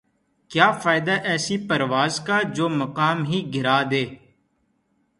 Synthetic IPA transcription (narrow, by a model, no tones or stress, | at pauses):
kjaːfaːɪd̪aʔɛːsipɐɾʋaːzkad͡ʒoːmɐqaːmɦiɡʱɪɾaːd̪eː